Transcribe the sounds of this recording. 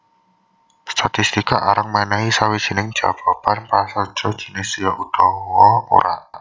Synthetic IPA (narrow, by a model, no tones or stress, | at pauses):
st̪ʰat̪ist̪ikaʔaɾəŋmɛnɛisawid̥ʒ̥i̤nɪŋd̥ʒ̥a̰v̥apanpasḁt͡ʃɔd̥ʒ̥ənɪsjaʔut̪ɔwɔo̰ɾʔa̰ʔ